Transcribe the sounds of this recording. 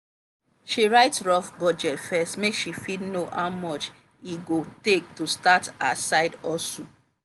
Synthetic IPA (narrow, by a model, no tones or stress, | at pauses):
ʃiɹaɪtɹɔfbɔd͡ʒɛtfɛstmekʃifidnohaʊmɔt͡ʃ | iɡotek̚tustata̰saɪdɔsõ